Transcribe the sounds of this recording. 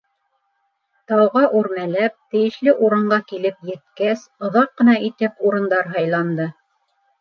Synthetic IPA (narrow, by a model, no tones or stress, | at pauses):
t̪ɑwʁɑʔuɾmælæp̚t̪ɘ̆jɘ̆ʃlɘʔuɾɤ̆ɴɢɑkilɘpjɘ̆t̪̚kæsŏðɑqːɤ̆nɑʔit̪ɘpuɾɤ̆nd̪ɑɾɦɑjlˠɑnd̪ɤ